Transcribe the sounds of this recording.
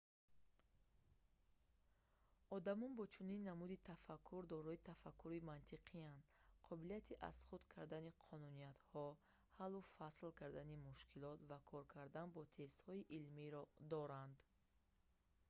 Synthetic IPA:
ɔd̪amɔnbɔt͡ʃʰuninːamud̪it̪ʰafakʰːuɾd̪ɔɾɔit̪ʰafakʰːuɾimant̪ʰiqʰiand̪qʰɔbilijat̪ʰiʔa̰z̥χud̪kʰaɾd̪aniqʰɔnunijat̪hɔ | halːufaslkʰaɾd̪animuʃkʰilɔt̪vakʰɔɾkʰaɾd̪anbɔt̪ʰe̞st̪hɔiʔilmiɾɔd̪ɔɾand̪

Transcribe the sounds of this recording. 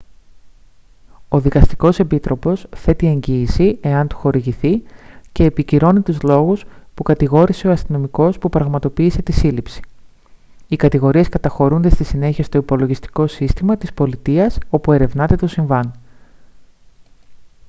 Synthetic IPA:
o̞ðikɐst̪i̥ko̞se̞pit̪ɾo̞po̞sθe̞t̪ie̞ɲɟiːsie̞ɐnt̪u̥xo̞ɾiʝiθice̞ːpiciɾo̞nit̪uzlo̞ɣuspukɐt̪iɣo̞ɾise̞o̞ɐst̪ino̞miko̞spupɾɐɣmɐt̪o̞piːse̞t̪isilipsi̥ | ikɐt̪iɣo̞ɾie̞skɐt̪ɐxo̞ɾund̪e̞st̪isine̞çiest̪o̞ipo̞lo̞ʝist̪i̥ko̞sist̪imɐt̪ispo̞lit̪iɐso̞pue̞ɾe̞vnɐt̪e̞t̪o̞siɱvɐn

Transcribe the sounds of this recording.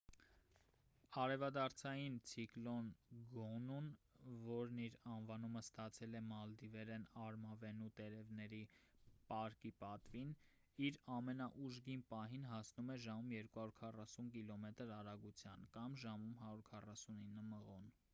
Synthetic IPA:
ɑɾɛvɑd̪ɑɾt͡sʰɑjint͡sʰiklɔnɡɔnunvɔɾniɾɑnvɑnuməst̪ɑt͡sʰɛlɛmɑld̪ivɛɾɛnɑɾmɑvɛnut̪ɛɾɛvnɛɾipɑɾkipɑt̪vin | iɾɑmɛnɑʔuʒɡinpɑɦinɦɑsnumɛʒɑmumjɛɾkuhɑɾuɾkʰɑrɑsunkilɔmɛt̪əɾɑɾɑɡut͡sʰjɑnkɑmʒɑmumɦɑɾuɾkʰɑrɑsuninːəməʁɔn

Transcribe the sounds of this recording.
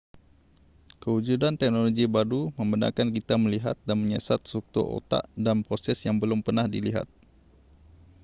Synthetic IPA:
kəud͡ʒudant̪ɛk̚noloɡibaduməmbəna̰kankit̪aməliɦa̰t̪̚danməɲɛsat̪̚suk̚t̪ṵʔo̰t̪a̰ʔdanpɾosɛsjaŋbəlʊmpərnahdiliɦa̰t̪̚

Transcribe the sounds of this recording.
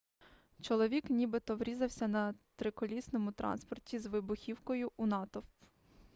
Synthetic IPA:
t͡ʃɔlˠɔʋʲiknʲibɪt̪ɔʋɾʲizɐwsʲɐnɐt̪ɾɪkɔlʲisnɔmʊt̪ɾɑ̰nspɔrtʲizʋɪbʊxʲiwkɔjʊʔunɑt̪ɔw

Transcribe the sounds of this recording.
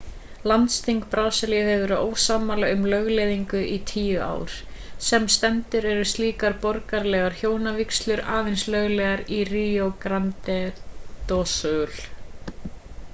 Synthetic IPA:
lant̪st̪iŋkpɾaːwsalihɛvʏɾoːwsaːmalaʏmlœɣleːðiŋkʏʔit̪ʰiːjʏa̰ːwɾ̥ | sɛmst̪ɛnt̪ʏɾɛɾʏst̪liːkaɾpɔɾkaɾlɛːɣaɾ̥çjoːwnavikslʏɾaːvɪnslœɣlɛɣaɾiriokɾant̪ɛt̪ɔsʏl̥

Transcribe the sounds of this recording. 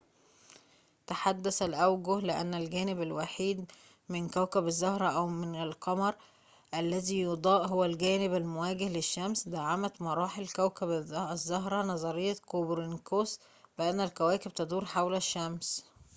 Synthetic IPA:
t̪aħad̪ːæsælʔæwɡʊhlɪʔæ̰nːælɡæːnɪbælwaħiːd̪ | mɪnkæwkæbæzːɑhɾˤɑʔæwmɪnælqɑmɑɾˤ | ʔælːæziːjod̪ˤɑːʔɦowælɡæːnɪbælmowæːɡehleʃːæmsd̪aʕamæt̪mɑɾˤɑːħelkæwkæbzːɑɦɾˤɑnɑzˤɑɾejːɑkobɾenkoːs | bɪʔænːælkæwæːkɪb̚t̪ɑd̪ˤuːɾħawlæʃːæms

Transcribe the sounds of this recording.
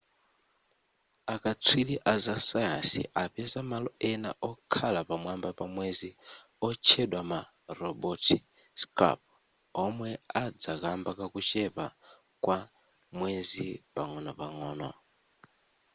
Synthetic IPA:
akat͡sʰwiliʔazasaja̰sḭʔapɛzamalɔɛna̰ʔɔkʰalapamwambapamwezi | ɔt͡ʃʰɛɗwama | ɾɔbɔtʰi | ska̰p̚ | ɔmwɛad͡zakambakakut͡ʃɛpa | kwa | mwezipaŋɔnɔpaŋɔːnɔ

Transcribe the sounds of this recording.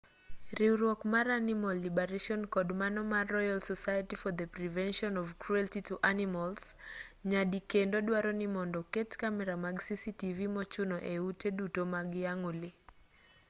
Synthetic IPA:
riuɾwɔkmaɾanimɔlːibɛɾeʃɔnkɔdmanɔmaːɔjalsɔsajatifɔd̪əpɾivɛnʃɔnɔvkɾuɛltituʔanimalsɲadikendoɗwaɾɔnɪmɔndɔketkamɛɾamaɡsisitivimɔt͡ʃʊnɔʔeutedutomaɡɪjaŋolɪ

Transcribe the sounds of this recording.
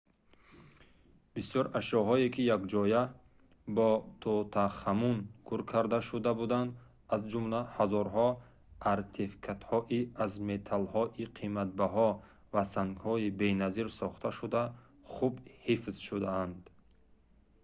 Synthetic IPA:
b̥isjɔɾaʃɔɦɔekʰijakd͡ʒɔja | bɔt̪ʰɔt̪ʰaχamunkʰuɾkʰaɾd̪aʃud̪abud̪and̪ | azd͡ʒumlahazɔɾɦɔ | aɾt̪ʰefi̥kʰat̪hɔʔiazmet̪ʰalhɔʔiqʰimat̪̚baɦɔ | vasaŋɡhɔibenaziɾsɔχt̪ʰaʃud̪a | χubhifzʃud̪aand̪

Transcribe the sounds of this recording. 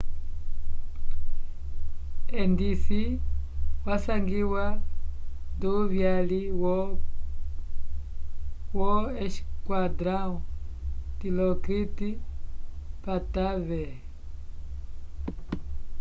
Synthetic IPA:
ɛndisi | wasaŋɡiwa | nduβjali | wɔɛʃkwadɾautilɔkɾiti | patavɛ

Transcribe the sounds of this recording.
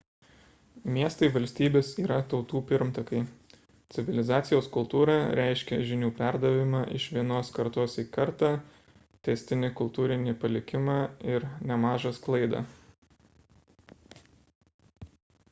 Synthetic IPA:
mʲiɛst̪ɐɪʋɐlʲsʲt̪ʲiːbʲeːsiːɾɐt̪ɒʊt̪uːpʲɪɾmt̪ɐkɐɪ | t̪sʲɪʋʲɪlʲɪzɑːt̪sʲɪjoːskʊlˠt̪uːɾɑɾʲæɪʃʲkʲɛʒʲɪnʲuːpʲæɾd̪ɐʋʲɪmɑːʔɪ̰ʃʋʲiɛnoːskɐɾt̪oːsiːkɐɾt̪ɑː | t̪ʲɛsʲt̪ʲɪnʲɪkʊlˠt̪uːɾʲɪnʲɪpɐlʲɪkʲɪmɑːɪɾnʲɛmɑːʒɐsklˠɐɪd̪ɑ̰ː

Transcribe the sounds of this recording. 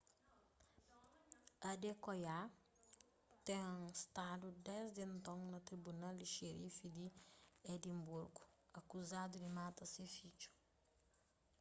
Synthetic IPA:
adɛkɔja | tɛŋstaːdudɛsdintɔŋnatɾibunaliʃeɾifidiedimbuɾɡu̥akuzadudimatasifit͡ʃu̥

